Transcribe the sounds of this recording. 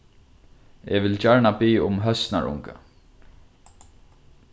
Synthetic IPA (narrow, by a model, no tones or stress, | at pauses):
ɛʋɪlt͡ʃaɹɳapiːʊmɦœst̪na̰ɹʊ̰ŋka̰